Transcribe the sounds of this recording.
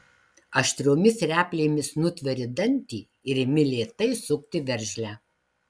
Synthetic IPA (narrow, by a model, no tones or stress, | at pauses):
ɐʃʲt̪ʲɾʲoːmʲɪsɾʲæːpʲlʲeːmʲɪsnʊt̪ʲʋʲɛɾʲɪd̪ɐnʲt̪ʲiː | ɪɾɪmʲɪlʲeːt̪ɐɪsʊkt̪ʲɪʋʲɛɾʲʒʲlʲæː